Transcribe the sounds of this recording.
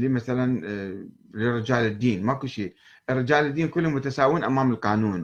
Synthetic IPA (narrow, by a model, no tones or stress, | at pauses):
limaθalan | lɪrːɪd͡ʒaːlɪd̪ːiːnmakʊlʃiː | ʔɪrːɪd͡ʒaːlɪd̪ːiːnkʊlːʊmʊt̪asaːwiːnʔamaːmɪlqɑːnuːn